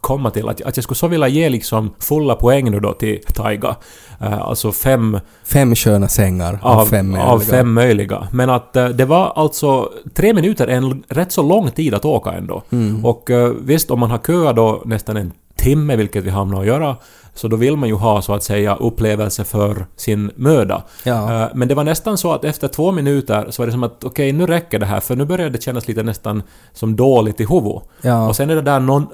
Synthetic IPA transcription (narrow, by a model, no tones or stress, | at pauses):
kʰɔmːat̪ʰɪlʔa̰t̪ja̰t̪jaskɵsɔvɪljajeːlɪksɔmfɵlːapʰɔɛŋːnʉːd̪ɔ̰t̪ʰɪlt̪ʰajɡa̰ | a̰lt̪sɔfɛmː | fɛmːɕøːnasɛŋːaɾavɛmːœa̰vfɛmːœjlɪɡa̰mɛnat̪d̪ɛvaɾalt̪sɔt̪ʰɾeːmɪnʉ̟ːt̪əɾʔɛnɾɛt̪ːsɔlɔŋːt̪ʰiːd̪at̪oːka̰ɛ̰nd̪o̰ːɔkvɪst̪ɔmːanɦaɾkʰøːad̪ɔnɛst̪anɛn | t̪ʰɪmːəvɪlkːət̪vɪɦamnaɾɔjœːɾa | sɔd̪ɔvɪlːmanjʉɦɑːsɔat̪sɛjːa̰ʔɵpːleːvɛlsəfœɾsɪnmøːd̪a̰ | mɛnd̪ɛvaɳɛst̪ansɔat̪ɛft̪əʈʰvoːmɪnʉ̟ːt̪əɾsɔvaɖɛs̬ɔmat̪ɔkʰɛjnʉ̟ːɾɛkːəɖɛɦæ̰ːɾfœɳʉ̟ːbœɾjad̪ɛɕɛnːasliːt̪ənɛst̪an | sɔmd̪oːlɪɡt̪ɪɦuvʊ̰ɔsɛnɛɖɛd̪ænɔn